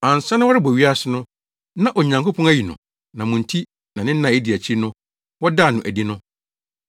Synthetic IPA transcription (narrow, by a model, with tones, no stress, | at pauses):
ã˨n˨sa˦nʊ̃˦wɔ˦ɾɪ˦bɔ˨ɥi˦a˦sɪ˨nʊ̃˦ | nã˦ʔɔ˨ɲã˨ŋko˦pʰɔ̃˦næ˦ji˨nʊ̰̃˨ | nã˨mʊ̃˨n̩˨tʰi˦ | nã˨nɪ̃˦n̩˦nã˨e˦di˨æ˨t͡ɕʰi˦nʊ̃˦ | wɔ˦da˦˨nʊ̃˨ʔæ˨di˦nʊ̃˦